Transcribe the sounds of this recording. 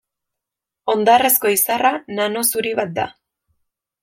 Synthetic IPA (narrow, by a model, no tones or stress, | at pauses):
o̞nd̪are̞sko̞isaranano̞suɾiβat̪̚d̪a̰